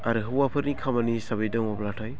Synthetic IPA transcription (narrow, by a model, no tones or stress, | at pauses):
aɾɯɦɯwapʰɯɾnikʰamanisaβajdɔŋablatʰaj